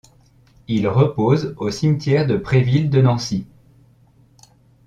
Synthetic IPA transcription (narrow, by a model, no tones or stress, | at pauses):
ilʁəpozosimt̪jɛʁd̪əpχevild̪ənɑ̃si